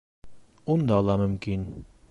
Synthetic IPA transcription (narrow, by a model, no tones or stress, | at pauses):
und̪ɑːlˠɑmɵ̆mkin